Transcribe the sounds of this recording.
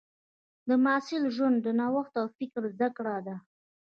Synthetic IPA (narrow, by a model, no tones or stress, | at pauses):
d̪əmɑsɪlʒwand̪ːənawaxt̪awfɪkɾzd̪akɽad̪a